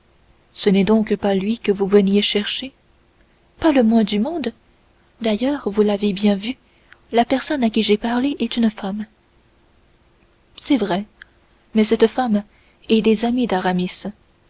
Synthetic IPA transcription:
sənɛd̪ɔ̃kpalɥikəvuvənjeʃɛʁʃe | paləmwɛ̃d̪ymɔ̃d̪ | d̪ajœːʁvulavebjɛ̃vy | lapɛʁsɔnakʲiʒɛpaʁleʔɛt̪ynfam | sɛvʁɛ | mɛsɛt̪fam | ɛd̪ezamid̪aʁamis

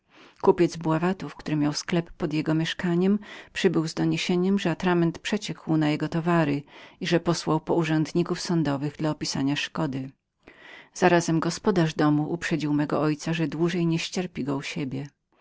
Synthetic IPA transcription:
kupʲjɛd̪zbwavat̪ufkt̪uɾɘmʲjawsklɛpːɔd̪jɛɡɔmʲjɛʂkaɲɛmpʂɘbɘwzd̪ɔɲeɕeɲɛmʐɛat̪ɾamɛnt̪pʂɛt͡ɕɛkʰwnajɛɡɔt̪ɔvaɾɘiʐɛpɔswawpɔuʐɛnd̪ɲikufsɔnd̪ɔvɘɣd̪laɔpʲisa̰ɲaʂkɔd̪ɘ | z̥aɾazɛmɡɔspɔd̪aʐd̪ɔmuʔupʂɛd͡ʑiwmɛɡɔ̰ʔɔjt̪saʐɛd̪wuʐɛjɲɛɕt͡ɕɛɾpʲiɡɔuɕebʲjɛ

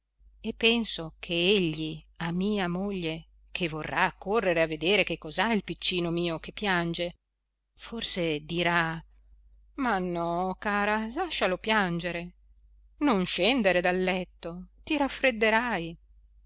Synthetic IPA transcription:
epːɛnsokʰeeʎːiamːiːamoʎːe | kʰevːorːakːorːeɾeavːed̪eːɾekekːɔzailpit͡ʃːiːnomiːokepːjand͡ʒe | forsed̪iɾa | manːɔkaːɾalaʃːalopjand͡ʒeɾe | nonʃɛnd̪eɾed̪alːɛt̪ːot̪iɾafːɾed̪ːeɾaj

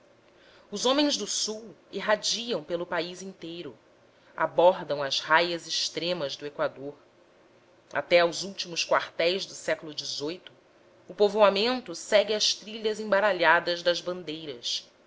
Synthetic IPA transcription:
ʊzõmẽzd̪ʊsuweɦad͡ʒiɐ̃w̃pelʊpaizĩnt̪ejɾʊ | a̰bɔɾd̪ɐ̃w̃ɐzhajɐzɪʃt̪ɾẽmɐzd̪ʊekwad̪oɾ | a̰t̪ɛawzuwt͡ʃimʊskwaɾt̪ɛjzd̪ʊsɛkʊlʊd͡ʒɪzojt̪ʊ̥ː | povoamẽnt̪ʊsɛɡɪɐʃt̪ɾiʎɐzẽbaɾaʎad̪ɐzd̪ɐzbɐ̃nd̪ejɾɐs

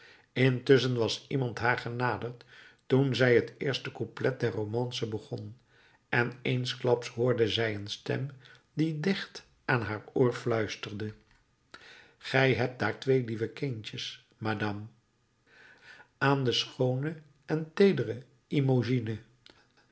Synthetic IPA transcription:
ɪntɵs̬ənʋɑsimɑntɦaːɹχənaːdəɹttunzɛjɦətɪːɹstəkuplɛt̚dɛɹrowmɑnsəbəχɔn | ʔɛnejnsklɑpsɦʊːɹdəzɛjənstɛ̰m | didɪχt | ʔaːnɦaːɹʊːɹflœɥstərdə | χɛjɦɛp̚d̥aːɹtʋejlivəkɪnt͡ʃəs | madɑm | ʔaːndəsχownə | ɛntejdərə | imoʒinə

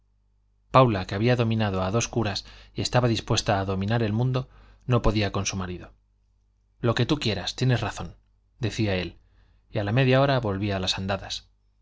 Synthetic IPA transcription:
pawlake̞aβiaðo̞mĩnaðo̞aðo̞skuɾasje̞st̪aβaðispwe̞st̪aːðo̞mĩnaɾe̞lmũnd̪o̞ | no̞po̞ðiako̞nsumaɾiðo̞ | lo̞ke̞t̪ukje̞ɾast̪je̞ne̞sraθo̞n | d̪e̞θiae̞l | jalame̞ðjao̞ɾaβo̞lβialasand̪aðas

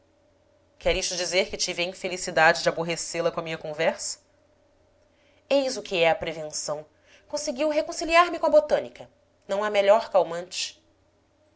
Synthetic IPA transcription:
kɛɾiʃt̪ʊd͡ʒizeɾkɪt͡ʃivɪɐĩfelisid̪ad͡ʒɪd͡ʒɪaboɦeselɐkõɐmĩɲɐkõvɛɾsɐ̥ | ejzʊkɪɛɐpɾevẽsɐ̃w̃ | kõsɪɡiwɦekõsiliaɾmɪkõɐbot̪ɐ̃nikɐ | nɐ̃w̃ameʎɔɾkawmɐ̃t͡ʃɪ̥

